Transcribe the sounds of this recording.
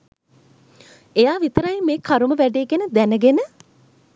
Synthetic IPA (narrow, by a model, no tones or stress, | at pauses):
ejaːʋit̪əɾajmeːkʰaɾuməʋæɖeːɡenəd̪ænəɡenə